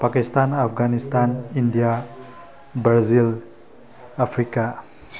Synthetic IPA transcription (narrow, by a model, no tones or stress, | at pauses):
pakistanapʰɡanistʰanindija | bɾazilː | pʰɾika